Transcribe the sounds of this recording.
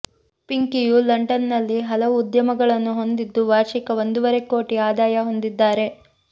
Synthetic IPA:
piŋkijulɐɳɖɐnːɐlːiɦɐlɐʋuːd̪jɐmɐɡɐɭɐnːuɦo̞nd̪id̪ːuʋaːʃikɐʋo̞nd̪uʋɐɾe̞koːʈiaːd̪aːjɐɦo̞nd̪id̪ːaːɾe̞

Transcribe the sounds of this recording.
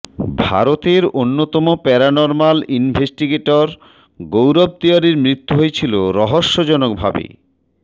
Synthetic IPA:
bʱa̰ɾot̪eɾonːot̪ɔmopɛɾanɔɾmalinbʱesʈiɡeʈoɾ | ɡowɾɔb̚t̪iaɾiɾmɾit̪ːuɦojet͡ɕʰiloɾɔɦoʃːod͡ʑɔnok̚bʱabḛ

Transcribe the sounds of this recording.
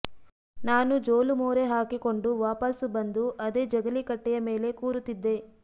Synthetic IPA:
naːnud͡ʒoːlumoːɾeɦaːkiko̞ɳɖuʋaːpɐsubɐnd̪uʔɐd̪eːd͡ʒɐɡɐlikɐʈːɛjɐme̞ːle̞kuːɾut̪ːid̪ːe̞

